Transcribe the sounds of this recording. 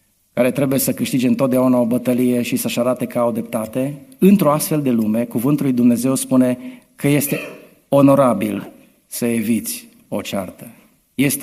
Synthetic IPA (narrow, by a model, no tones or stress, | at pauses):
kaɾe̞t̪ɾe̞buje̞səkɨʃt̪id͡ʒeɨnt̪ot̪̚d̪eaunao̞bət̪əlije̞ʃisəʃaɾat̪e̞kaowd̪ɾep̚t̪at̪e̞ɨnt̪ɾo̞ast̪fe̞ld̪e̞lume̞kuvɨnt̪ulujd̪umne̞ze̞wspune̞kəje̞st̪e̞ | o̞no̞ɾabil | səe̞vit̪sʲ | o̞t͡ʃa̰rt̪ə | je̞st̪